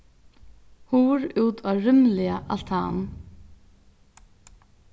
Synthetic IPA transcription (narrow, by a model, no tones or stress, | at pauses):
huːɾʉːt̪ʰaːɾʏmlɪaʔal̥t̪ʰa̰ːn